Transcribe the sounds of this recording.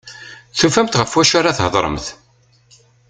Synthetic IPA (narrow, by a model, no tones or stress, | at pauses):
θufæmt̪ʁəfwæʃaɾaθɦəðˤɾˤə̰mθ